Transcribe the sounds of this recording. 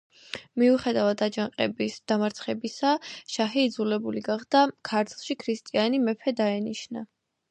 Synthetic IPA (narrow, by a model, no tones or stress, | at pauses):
miuχɛd̪avad̪ad͡ʒaŋqʼɛbisd̪̥amaɾt̪sʰχɛbisaʃaɦɛːd̪zulɛbuliɡaχd̪̥akʰaɾt̪ʰlˠʃikʰɾist̪ʼianimɛpʰɛd̪aɛniʃna